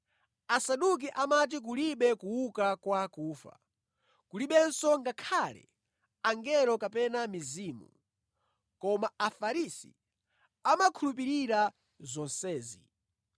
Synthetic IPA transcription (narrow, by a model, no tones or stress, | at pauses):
asaɗuk̬iʔamat̬ik̬uliɓɛkuwukakwakuːfa̰ | kuliɓɛnsɔŋɡakʰalɛ̰ | aŋɡɛɾɔkapɛnamiziːmṵ | kɔmaafaɾisḭ | amakʰulup̬iɾiɾa | zɔnsɛːzi